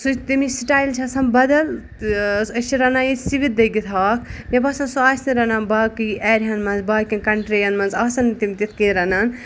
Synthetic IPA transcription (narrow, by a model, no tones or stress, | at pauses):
sut͡ʃt̪imisiʈaːjlt͡ʃʰɐsɐmbɐd̪ɐl | ɐt͡ʃʰiɾɐnajisiʋit̪̚d̪ɐjɡit̪ʰaːkʰjɐbɐsɐnsuaːsniɾɐnɐnbaːkiɛːɾɦɐnmɐnzbaːkʲĩnkɐɳʈɾijɐnmɐnzaːsɐnt̪imit̪it̪ʰkĩɾɐnɐn